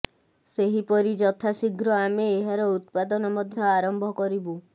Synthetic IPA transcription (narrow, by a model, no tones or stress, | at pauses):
seɦipɔɾid͡ʒɔt̪ʰasiɡʱɾɔameːɦaɾɔut̪pad̪ɔnɔmɔd̪ʱjɔaɾɔmbʱɔkɔɾibu